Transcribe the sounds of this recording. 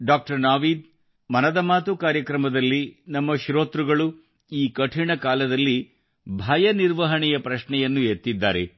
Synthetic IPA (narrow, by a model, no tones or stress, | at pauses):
ɖaːk̚ʈɐɾnaːʋiːd̪̚ | mɐnɐd̪ɐmaːt̪ukaːɾjɐkɾɐmɐd̪ɐlːinɐmːɐʃɾoːt̪ɾuɡɐɭu | iːkɐʈʰiɳɐkaːlɐd̪ɐlːi | bʱaːjɐniɾʋɐɦɐɳɛjɐpɾɐʃɳɛjɐnːuet̪ːid̪ːa̰ːɾḛ